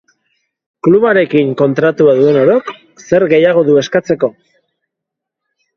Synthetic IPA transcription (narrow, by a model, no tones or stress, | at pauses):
kluβaɾe̞kiŋko̞nt̪ɾat̪uaðue̞no̞ɾo̞k | se̞ɾɣe̞jaɣ̞o̞ðue̞skat͡se̞ko̞